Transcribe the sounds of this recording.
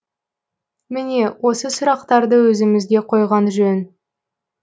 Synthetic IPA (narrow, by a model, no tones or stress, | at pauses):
mɪne̞wo̞səsʊɾɑq̚t̪ɑɾd̪əwɵzɪmɪzɡ̪ʲe̞qʰo̞jʁɑnʒɵn